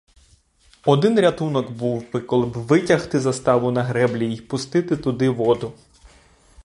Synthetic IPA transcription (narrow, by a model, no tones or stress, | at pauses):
ɔd̪ɪnɾʲɐt̪unɔɡbuwpɪkɔlˠɪbʋɪtʲɐxt̪ɪzɐst̪ɑʋʊnɐɦɾɛblʲijipʊst̪ɪt̪ɪt̪ʊd̪ɪʋɔd̪ʊ